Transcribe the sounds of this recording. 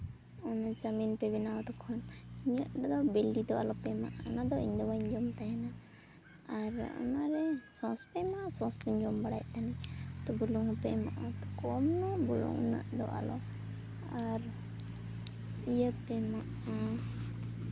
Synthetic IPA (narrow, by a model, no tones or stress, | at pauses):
ɔnad͡ʒaminpɛβɛnawt̪ɔkʰɔnɲəʔd̪ɔd̪ɔbɛldid̪ɔalɔpɛma̰ʔɔnad̪ɔḭɲd̪ɔbaiɲd͡ʒɔmt̪ajana | aɾɔ̰naɾɛsɔ̃spɛmasɔ̃st̪ɔɲd͡ʒɔmbaɽajʔt̪anit̪ɔbuluŋɔpɛma̰ʔat̪ɔkɔmnɔbuɽɔ̰ŋṵnə̰ʔd̪ɔ̰ʔa̰lɔ̰ | aɾ | ijəpɛmaʔ | a